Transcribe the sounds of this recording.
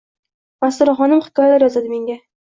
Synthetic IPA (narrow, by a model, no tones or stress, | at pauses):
masʊɾaχɒnɪmχɪ̥kɒjalaɾjɒzad̪ɪme̞ŋɡʲa